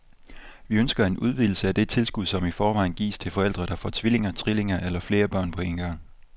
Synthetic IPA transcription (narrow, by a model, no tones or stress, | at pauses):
ʋiønsɡ̥ɐe̝nuð̞ˠʋiːl̩səæd̥e̝t͡sʰe̝lsɡ̥uðˠsɒ̽mifɒːʋɑ̈ɪnɡ̥ḭːst͡sʰe̝lfɒ̽el̰d̥ʁɐɾ̥ɑ̈fɒːt͡sʰʋile̝ŋɐt͡sʰʁile̝ŋɐʔelɐfle̝ːɐb̥ɶɐ̰npʰɒ̽e̝nɡ̥ɑ̈ŋ̰